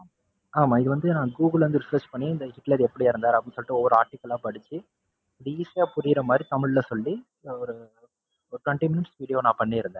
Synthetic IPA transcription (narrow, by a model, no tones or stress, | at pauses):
aːmãːɪðɯʋɐnd̪ɯnãːɡuːɡɐɭɐnd̪ɯɾɪsɐɾt͡ʃpɐɳːiɪnd̪ɐhɪʈlɐɾɛpːɐɽɪjaːɪɾɯnd̪aːɾɐpːɐɳsɔlːɪʈːɯɔʋːɔɾɯaːɾʈɪkːɐlãːpɐɽɯt͡ʃːɯ | ɾiːsjaːpʊɾɪɪɾɐmaːd̪ɾit̪ɐmɪɭlɐsɔlːi | ɔɾɯ | ɔɾʈwɛɳʈimɪnɪʈsʋiːɽɪjoːnãːpɐɳːiɪɾɯnd̪ɛ̃ː